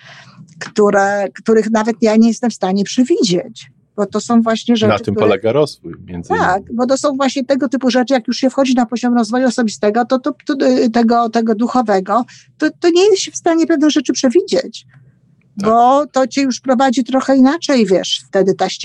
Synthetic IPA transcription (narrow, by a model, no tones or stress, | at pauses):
kt̪uɾɛkt̪uɾɘxnavɛt̪jaɲeɛjɛst̪ɛmfst̪aɲɛpʂɛvʲid͡ʑet͡ɕ | b̥ɔt̪ɔsɔ̃w̃vwaɕɲɛʐɛaɨmpɔlɛɡaɾɔzvujmʲjɛ̰nd̪zt̪ak̚bɔt̪̬ɔsɔ̃w̃vwaɕɲɛt̪ɛɡɔt̪ɘpuʐɛt͡ʂɘjakjuʂɕɛfxɔd͡ʑinapɔʑɔmɾɔzvɔjuɔsɔbʲist̪ɛɡɔt̪ɔt̪ɔt̪ɛɡɔt̪ɛɡɔd̪uxɔvɛɡɔt̪ɔt̪ɔɲɛjɛsɕɛfst̪aɲɛpɛvnɛʐɛt͡ʂɘpʂɛvʲid͡ʑet͡ɕ | bɔt̪ɔt͡ɕɛjuʂpɾɔvad͡ʑit̪ɾɔxɛinat͡ʂɛjvʲjɛʂft̪ɛd̪ɘt̪aɕ